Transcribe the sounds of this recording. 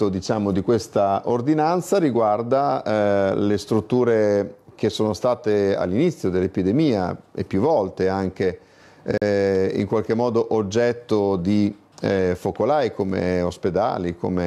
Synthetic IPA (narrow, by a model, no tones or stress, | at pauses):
od̪it͡ʃaːmod̪ikwest̪aord̪inant̪saɾiɡward̪a | lest̪ɾut̪ːuːɾek̟esoːnost̪aːt̪ea̰lːinit̪sːjod̪elːepid̪emiːa̰ḛpːjuvɔlt̪eaŋk̟e | ḭŋkwalk̟emːɔːd̪oʔod͡ʒːɛt̪ːod̪i | fokolajkomḛosped̪a̰ːliko̰me